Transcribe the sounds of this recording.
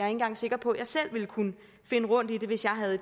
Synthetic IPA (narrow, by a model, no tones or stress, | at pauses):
e̝n̩ɡ̥ɑ̈ŋse̝ɡ̥ɐpʰɒ̽jɑ̈ɪsel̰ʋe̝lkʰunə | fe̝nəʁɔ̽n̰d̥id̥e̝ʋe̝sjɑ̈ɪɦæðˠ